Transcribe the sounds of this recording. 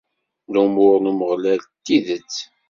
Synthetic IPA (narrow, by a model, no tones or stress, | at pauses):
lumʊɾnuməʁlælt̪ːiðət͡sː